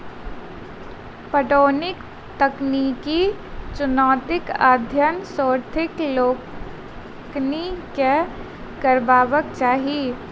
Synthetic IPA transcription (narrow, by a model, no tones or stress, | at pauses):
pəʈoːnɪk | t̪əknikit͡ʃʊnɔːt̪ɪkaːd̪ʱjənsɔːɾt̪ʰɪkloː | knike | kəɾbaːʋəkt͡ʃaːɦie